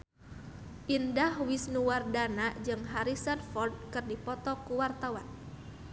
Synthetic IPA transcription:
ʔindahwisnuwardanad͡ʒɨŋɦaɾisanfɔrd̚kɨrdipɔt̪ɔkuwart̪awan

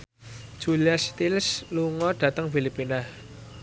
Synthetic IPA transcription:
d̥ʒ̥uliast̪ilsluŋɔɖ̥ä̤t̪əŋfilipinah

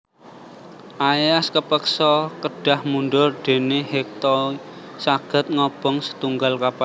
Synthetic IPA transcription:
ʔajaskəpəksɔkəɖ̥a̤hmunɖʊrɖ̪̥e̤neɦek̚t̪ɔ | saɡ̥ə̤t̪̚ŋɔb̥ɔŋsə̥t̪uŋɡalkapa

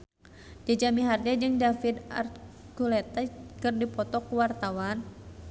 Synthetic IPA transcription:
d͡ʒad͡ʒamiɦard͡ʒad͡ʒɨŋdafid̪a̰r | kulɛt̪akɨrdipɔt̪ɔkuwart̪awan

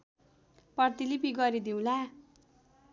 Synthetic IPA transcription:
pʌrt̪ilipiɡʌɾid̪iw̃la

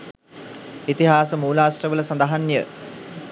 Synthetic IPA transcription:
it̪iɦaːsəmuːlaːsrəʋələsand̪əɦanjə

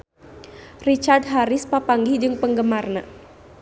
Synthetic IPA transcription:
rit͡ʃardɦaɾɪspapaŋɡid͡ʒɨŋpəŋɡəmarna

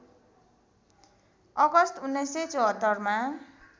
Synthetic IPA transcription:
ʌɡʌst̪unːʌjsʌjt͡sʌɦʌt̪ːʌrma

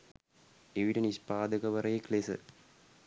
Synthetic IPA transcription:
eʋiʈɐnispaːd̪ɐkɐʋɐɾɐjekleːsɨ̰

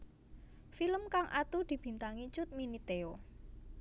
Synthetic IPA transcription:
filəmkaŋʔa̰t̪ud̪̥i̤b̥i̤nt̪aŋit͡ʃʊt̪̚minit̪eo

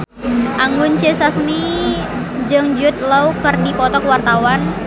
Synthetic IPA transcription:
ʔaŋɡʊnt͡ʃesasmi | d͡ʒəŋd͡ʒʊt̪̚lawkərdipɔt̪ɔkwart̪awan

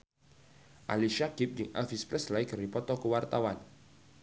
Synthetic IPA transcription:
ʔaliʃaɡɪp̚jɪŋʔa̰fispɾɛslajkərdipɔt̪ɔkəwart̪awan

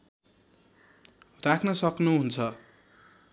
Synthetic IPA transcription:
rakʰnʌsʌknuɦunt͡sʰʌ

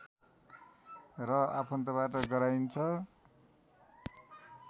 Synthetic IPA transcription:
rʌapʰʌnt̪ʌβaʈʌɡʌɾajnt͡sʰʌ

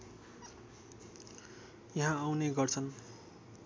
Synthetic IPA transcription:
jʌɦãawneɡʌrt͡sʰʌn

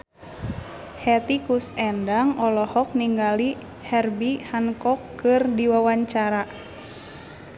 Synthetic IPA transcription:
hɛt̪ikusɛndaŋɔlɔhɔk̚niŋɡali | hɛrbihankɔkːɨrdiwawaɲt͡ʃaɾa

